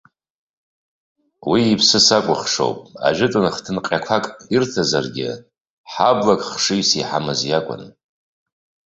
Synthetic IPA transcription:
wiːpʰsɨsakʷʼʊχʂo̰wpʼa̰ʒʷɪtʼʊnχtʰɨnqʲʼakʷʰakʼirtʰazarɡʲɪ̰ | ħablakʼχʂijsiħamɨzjakʷʼʊ̰n

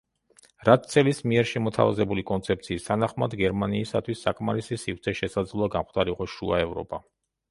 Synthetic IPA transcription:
ɾat̪̚ʰt̪sʰʼɛlismiɛɾʃɛmɔt̪ʰa̰va̰zɛbulikʼɔnt̪sʰɛp̚t̪sʰiːst̪ʰanaχmad̪ɡɛɾmaniːsat̪ʰwisːakʼmaɾisisivɾt̪sʰɛʃɛsad̪zlˠuaɡamχt̪ʰʼaɾiqɔʃua̰ɛvɾɔ̰pʼa

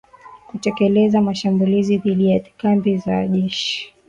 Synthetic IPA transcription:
kutɛkɛlɛzamaʃambuliziðiɗijatikambizaʄɛʃi̥

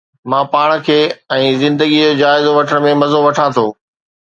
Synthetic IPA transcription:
mãːpaːɽ̃̆kʰeːɛ̃ːzɪ̃nd̪əɡid͡ʑod͡ʑaːɪzoʋɐʈʰəɽ̃̆mẽmɐzoʋɐʈʰãt̪ʰoː

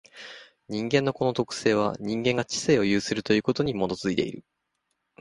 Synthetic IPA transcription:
ɲ̟ĩŋɡẽ̞nːo̞ko̞not̪o̞kɯ̟̥se̞ːβ̞a̰ɲ̟ĩŋɡẽ̞ŋɡat͡ɕi̥se̞ːo̞jɯ̟ːsɨɾɯ̟t̪o̞jɯ̟ːko̞t̪o̞ɲ̟imo̞d̪o̞t͡sɨit̪e̞ḭɾɯ̟̰

